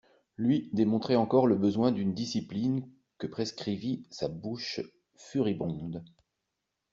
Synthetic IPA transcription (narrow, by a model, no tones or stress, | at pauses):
lɥid̪emɔ̃t̪χɛɑ̃kɔʁləbəzwɛ̃d̪ynd̪isiplin | kəpχeskχivisabuʃ | fyʁibɔ̃d̪